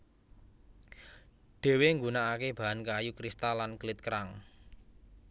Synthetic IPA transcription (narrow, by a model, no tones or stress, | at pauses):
ɖ̥e̤weŋɡunaakeb̥a̤ankajukɾist̪alanklɪt̪̚kəɾaŋ